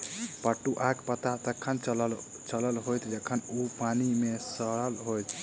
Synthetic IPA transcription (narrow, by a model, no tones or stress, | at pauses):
pəʈːuʔakpət̪at̪əkʰːənl | t͡ʃələlɦojt̪d͡ʒəkʰːənupanimesəɽəlɦojt̪ʰ